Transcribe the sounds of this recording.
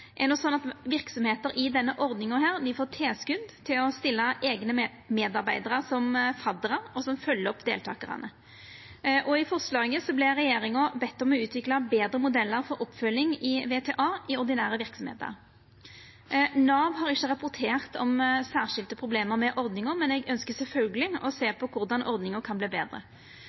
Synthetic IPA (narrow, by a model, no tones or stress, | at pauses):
ʔɛnɔsɔnɑt̪ʋɪʁksɔmheːt̪əɾʔɪd̪ɛnːəʔɔɾd̪nɪŋɔɦæːʁd̪ɪfoːt̪ʰeːskʉnd̪t̪ʰɪlɔst̪ɪlːɑʔeːɡnə | meːd̪ɑɾbæɪd̪ɑʁəsɔmfɑd̪əʁəɾɔsɔmfœlːəɔpd̪ḛːlt̪ʰɑ̰ːkəʁɑ̰nə | ʔɔɪfɔʁslɑːɪŋəsɔblɪɾɛjeːɾɪŋɔbɛt̪ːɔmɔʉːt̪ʰʋɪklɑbeːd̪ɾəmʊd̪ɛlːəɾfɔɾʔɔpːfœlːɪŋɪʋeːt̪ʰeːʔɑːʔɪɔɾd̪ɪnæːɾəʋɪɾksɔmhḛːt̪ə̰ɾ | nɑːʋɦɑɾɪçːəʁɑpʊʁt̪ʰeːʁt̪ʰɔmsæːʁʂɪlt̪əpʰɾʊbleːməɾmɛʔɔʁd̪nɪŋʊmɛnɛɡœnskəsɛlfœlɡəlɪɔ̰seːpʰɔkʰʊɾd̪ɑnʔɔɾd̪nɪŋəkʰɑnbliːbeːd̪ʁə̰